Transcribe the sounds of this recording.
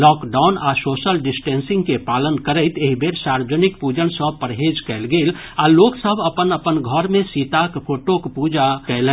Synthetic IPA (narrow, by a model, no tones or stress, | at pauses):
lɔːkɖaʊnasoːsəlɖɪsʈẽːnsɪ̃ŋɡkepaːlənkəɾəɪt̪eɦibʱeɾsaɾʋəd͡ʒənikpud͡ʒənsə̃pəɾɦed͡ʒkɛɪlɡel | aloɡsəbʱəpənəpənɡʱəɾmẽsit̪akpʰoːʈokpuːd͡ʒakɛlɛ̃